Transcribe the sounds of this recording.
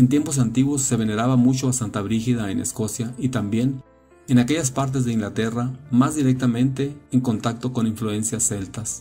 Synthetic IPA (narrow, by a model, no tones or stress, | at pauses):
ent̪̬jempo̞s̬ant̪iɣwosːe̞βe̞ne̞ɾaβamut͡ʃoasant̪aβɾixiðaenḛsko̞sjait̪ambje̞n | enake̞ʝaspaɾt̪̬e̞zðe̞iŋɡlat̪e̞ramazðiɾek̚t̪amẽ̞nt̪e̞ːŋko̞nt̪ak̚t̪o̞ko̞niɱflue̞nsjase̞lt̪as